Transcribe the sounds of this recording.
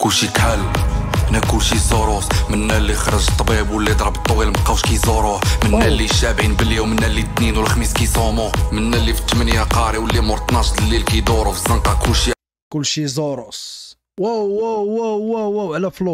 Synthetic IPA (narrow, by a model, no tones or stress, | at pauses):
kʊlʃikħælʔnækʊlːʃizoɾosmənːælːixɾˤəʒt̪ˤːɑbibwəlːid̪ɾˤɑbət̪ˤːwilməqːɑwʃkæjzoɾˤoħmənːælːiʃːæbʕinbəlːiwmənːælit̪ninwəlxmiskijsˤomʊmənːælːifi̥t̪ːəmənjæqɑɾiwəlːimoɾt̪nɑʃt̪əlːilkæjd̪oɾufzənqɑkʊlʃi | kʊlːʃizoɾʊs | wæwwwwʕlæflu